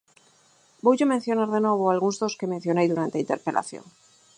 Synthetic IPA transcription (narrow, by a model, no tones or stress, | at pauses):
bojʝomen̟θjo̞naɾðe̞no̞β̞oalɣunzðoske̞men̟θjo̞nejðuɾant̪eint̪e̞ɾpe̞la̰θjo̰ŋ